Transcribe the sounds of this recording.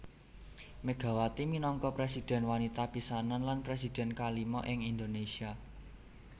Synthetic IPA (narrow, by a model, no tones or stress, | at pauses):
məɡ̥ä̤wat̪iminɔŋkɔpɾesid̪̥ɛ̤nwanit̪apisananlanpɾesid̪̥ɛ̤nkalimɔʔɪŋind̪onesia